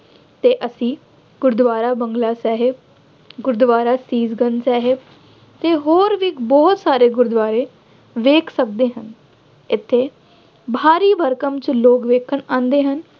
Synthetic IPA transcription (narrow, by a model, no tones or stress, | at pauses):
t̪eːʔəsĩː | ɡ̥ʊɾd̪ʋaːɾaːbəŋɡlaːsɛːɦɪb | ɡʊɾd̪ʋaːɾaːsiːzɡənsɛːɦɪb̚ | t̪eːɦoːɾʋɪkbɔːt̪saːɾeːɡʊɾd̪ʋaːɾeː | ʋeːkʰsək̚d̪eːɦən | ɪt̪ʰːeː | bʱaːɾiːbəɾkəmt͡ʃloːkʋeːkʰəɳãːnd̪eːɦən